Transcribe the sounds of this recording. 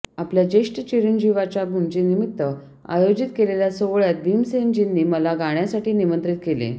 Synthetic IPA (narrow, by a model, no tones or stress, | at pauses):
apljad͡ʑeʂʈət͡ɕiɾənd͡ʑiʋat͡ɕabʱumt͡ɕenimit̪ːə | a̰jod͡ʑit̪keleljasoʋɭjat̪̚biːmsemd͡ʑinːiːməlaɡaɽ̃jasaʈʰiːnimənt̪ɾit̪̚kelḛ